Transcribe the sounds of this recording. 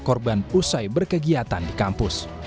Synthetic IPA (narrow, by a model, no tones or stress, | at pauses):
kɔrbanusajbərkəɡiat̪andikampʊs